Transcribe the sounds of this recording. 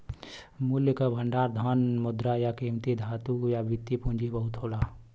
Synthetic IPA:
muljəkabʱəɳɖaːɾd̪ʱənmʊd̪ɾajakiːmt̪id̪ʱaːt̪ujabʱit̪ːipũnd͡ʒibəɦut̪ɦoːla

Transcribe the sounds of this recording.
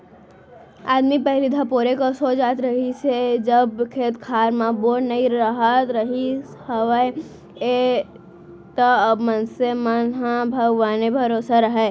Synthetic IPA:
aːd̪mipəɪɾɪd̪ʱãpoːɾekosoːd͡ʒaːt̪ɾəɦised͡ʒəbkʰeːt̪kʰaːɾmãboːʈnəiɾəɦət̪ɾəɦi | həʋəe | e | t̪əbmənsemənɦãbʱəɡʋaːnebʱɐɾoːsaɾəɦɛ

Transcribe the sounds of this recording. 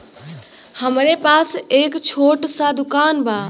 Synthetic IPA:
həmɾepaːseːkt͡ʃʰoːʈsad̪ʊkaːnbʱaː

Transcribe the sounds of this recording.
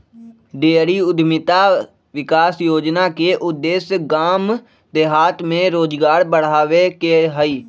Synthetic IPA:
ɖeːɾiːʊd̪mɪt̪aː | ʋɪkaːsjoːd͡ʒnaːkeːʔʊd̪ːeːsɡaːm | d̪eːɦaːt̪ʰmẽːɾoːd͡ʒɡaːɾbəɽ̤aːʋeːkeɦəiː

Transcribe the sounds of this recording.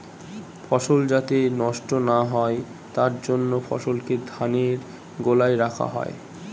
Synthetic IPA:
fɔʃold͡ʑat̪enɔʃʈonaɦɔe | t̪aɾd͡ʑonːofɔ̰ʃolked̪ʱaneɾ | ɡolajɾakʰa̰ɦɔ̰e

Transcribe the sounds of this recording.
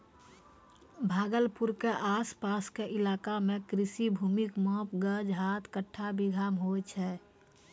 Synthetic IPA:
bʱaːɡəlpuɾkeʔaspaskeʔɪlaːkamekɾisibʱuːmikmɔ̃pɡəd͡ʒɦat̪ʰkəʈʰːabiɡʱamɦot͡ʃʰɛ

